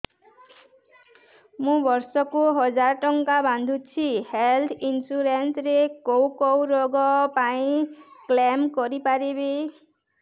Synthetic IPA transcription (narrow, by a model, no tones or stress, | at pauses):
mũbʌrsɔkoɦʌd͡zaɾʈɔŋkabʱand̪ʱut͡sʰihelt̪ʰinsuɾensɾekowkowɾoɡɔpaĩklamkɔɾipaɾebe